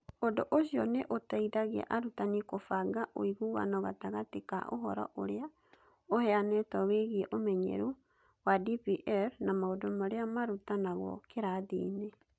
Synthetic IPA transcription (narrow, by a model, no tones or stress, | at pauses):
ondoʔosjɔneʔotaiɾaɣḛʔaɾutanikofaɡaʔo̰iɣuɣa̰nɔɣataɣateka̰ʔo̰ɦɔ̰ɾɔ̰ʔoɾea | ohɛanɛtaweɣieʔomɛɲḛɾu | wadipiʔɛɾnamaodomaɾeamaɾutanaɣɔ̰keɾaðḭːne